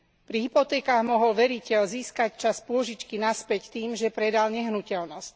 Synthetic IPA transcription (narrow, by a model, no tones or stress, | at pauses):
pɾiɦipɔt̪ɛːkaːɣmɔɦɔlʋɛɾicɛlziːskact͡ʃaspʊɔʒit͡ʃkinaspɛct̪iːmʒɛpɾɛd̪alɲɛɦnucɛlnɔsc